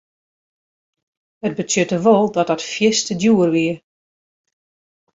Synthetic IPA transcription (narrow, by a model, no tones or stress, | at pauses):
hət̚bətjøtəʋɔlˠdɔt̚ɔtfjɪstədjuərʋiə